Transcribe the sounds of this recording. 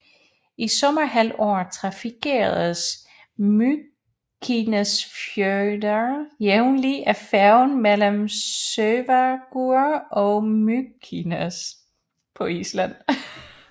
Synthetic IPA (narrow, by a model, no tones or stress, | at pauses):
isɒ̽mɐɦælɒ̰ːt͡sʰʁɑ̈fikʰe̝̰ɐðˠəs | my | kʰinæsfjødɐjeʊnliʔæfæɐʊnmel̰əmsøːʋæɡ̥uɐɒmykʰinæs | pʰɒ̽islæn̰